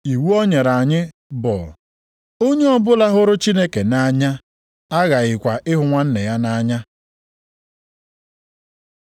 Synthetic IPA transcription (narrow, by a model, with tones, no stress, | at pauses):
i˨wu˦ɔ˦ɲe˨ɾa˨ɲɪ˦ | bɔ̰˨ | o˦ɲe˦ɔ˦bʊ˦la˦ɦʊ˦ɾʊ˦t͡ʃi˦ne˦ke˨na˦ɲa˦ | a˦ɣa˨ɣɪ˨kʷa˨ʔɪ˦ɦʊ˨ŋʷa˦n̩˦ne˨ja˦na˦ɲa˦